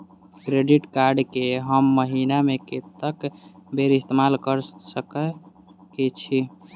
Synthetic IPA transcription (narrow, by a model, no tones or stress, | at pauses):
kɾeɖiʈkaɾɖkeɦəmːəɦinameket̪əkbeɾist̪emalkəɾsəkə | ket͡ʃʰi